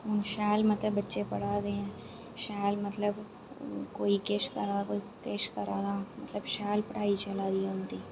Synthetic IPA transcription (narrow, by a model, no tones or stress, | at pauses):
ʊnʃɛːlmɐt̪ləbːətːʃepɐɽ̤aːd̪eɦɛ̃ː | ʃɛːlmɐt̪ləb | koːikeːʃkɐɾaːkoːi | keːʃkɐɾaːt̪ʰaːmɐ̰t̪ləbʃɛːlpɐɽ̤aːit͡ʃɐlaːd̪iɛʊnt̪iː